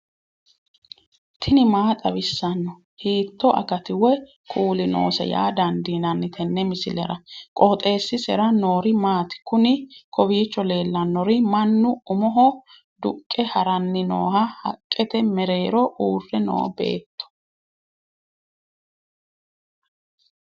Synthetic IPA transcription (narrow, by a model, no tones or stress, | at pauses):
t̪ʰɪnɪmaːt̪ʼɐbɪsːɐnːɔ | hiːt̪ːɔʔɐ̰ɡɐt̪ɪwɛ | kʼuːlɪno̰ːsɛ̰ja̰ːd̪ɐnd̪iːnɐnːɪt̪ʰɛnːɛmɪsɪlɛɾɐkʼɔt̪ʼe̞ːsːɪsɛɾɐno̞ːɾɪmaːt̪ɪ̥kʊnɪkʰɔbiːt͡ʃːɔle̞ːlːɐnːɔɾɪmɐnːʊʊmɔɦɔ | d̪ʊkʼːɛhɐɾɐnːɪno̰ːhɐhɐ̰kʼːɛt̪ɛmɛɾe̞ːɾɔʔuːrːɛno̰ːbe̞̰ːt̪ːɔ̥